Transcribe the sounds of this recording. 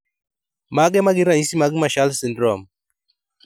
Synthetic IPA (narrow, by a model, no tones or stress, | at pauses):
maɡɛmaɡɪɾaɲisimaɡmaʃalsɪndɾɔm